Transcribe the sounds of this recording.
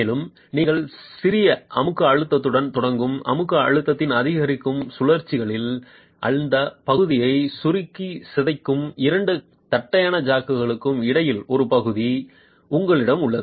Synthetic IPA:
meːlɯm | niːŋɣɐɭsɪɾɪjɐʔɐmɯkːɯɐɻɯt̪ːɐt̪ːɯɽɐnt̪ɔɽɐŋɡɯmʔɐ̰mɯkːɯɐɻɯt̪ːɐt̪ːɪnɐðɪɣɐɾɪkːɯmsʊlɐɾt͡ʃːɪɣɐɭɪl | ʔɐ̰ɻɯnd̪ɐpɐɣɯðɪjɐɪsʊɾɪkːisɪðɐɪkːɯmɪɾɐɳɖɯ | t̪ɐʈːɐjaːnɐd͡ʒaːkːɯɣɐɭɯkːɯmɪɽɐjɪlɔɾɯpɐɣɯði | ʊŋɡɐɭɪɽɐmʊɭːɐðɯ

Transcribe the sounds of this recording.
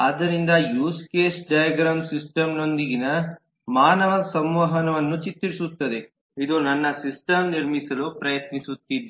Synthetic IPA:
ɐd̪ɐɾind̪ɐjuːskeːsɖɐjɐɡɾaːɖsisʈɐmno̞nd̪iɡinɐ | maːnɐʋɐsɐmʋɐɦɐnɐʋɐnːut͡ʃit̪ːiɾisut̪ːɐd̪e | id̪unɐnːɐsisʈɐmniɾmisɐloːpɾɐjɐt̪nisut̪ːid̪

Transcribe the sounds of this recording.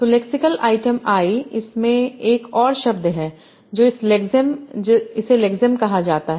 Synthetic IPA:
t̪olɛːksɪkəlʔaːɪʈəmaːiɪsmẽeːkɔːɾʃɐb̚d̪ɦɛː | d͡ʒoːɪslekzəmd͡ʒoɪselɛːkzəmkɐɦad͡ʒaːt̪aɦɛ

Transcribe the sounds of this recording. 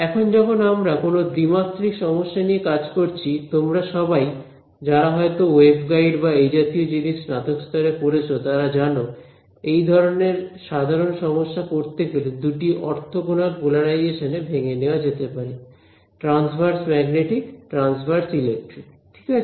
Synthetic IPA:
ɛkʰond͡ʑɔkʰonamɾakonod̪ɾimat̪ːɾikʃɔmoʃːaniekad͡ʑkoɾt͡ɕʰit̪omɾaʃɔbaj | d͡ʑaɾaɦɔet̪owebɡajɖbaejd͡ʑat̪iod͡ʑiniʃnat̪okst̪ɔɾepoɾet͡ɕʰot̪aɾad͡ʑano | ejd̪ʱɔɾoneɾʃad̪ʱaɾonʃɔmoʃːakoɾt̪eɡeled̪uʈiʔɔɾt̪ʰoɡonaɾpulaɽajeʃanebʱeŋeneoad͡ʑet̪epaɾi | ʈɾansbʱaɾsmɛɡneʈikʈɾansbaɾsilek̚ʈɾi | ʈʰi̥ka

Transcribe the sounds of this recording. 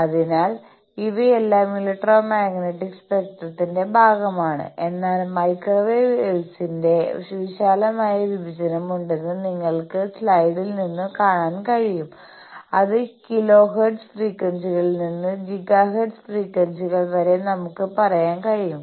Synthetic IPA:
ɐðinaːl | iʋɐelːaːmiliʈːroːmaːɡneʈːikspek̚ʈrɐt̪ːinde̞bʱaːɡɐmaːɳɨ̰ʔe̞nːaːlmɐjkroʋeːelsinde̞ʂuɕaːlɐmaːjɐʋibʱid͡ʑɐnɐmuɳɖe̞nːɨniŋːɐɭkɨslɐjɽilninːɨkaːɳaːnkɐɻijum | ɐðɨkilo̞ːɦeɖsfriːkwɐnsiɣɐɭninːɨd͡ʑiɡaːɦeɖsfriːkwɐnsiɣɐɭʋɐɾe̞nɐmukːɨpɐrɐjaːnkɐɻijum

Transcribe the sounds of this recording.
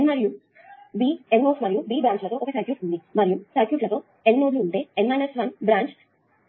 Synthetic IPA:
enmɐɾiju | biːenːoːsmɐɾijubiːbɾaːɲt͡ʃlɐt̪o̞ːʔɔkɐsɐɾkjuːʈund̪imɐɾijusɐɾkjuːʈlɐt̪o̞ː | ennoːd̪luːɳʈe̞ːenmaːjnɐsʋɐnbɾaːɲt͡ʃ

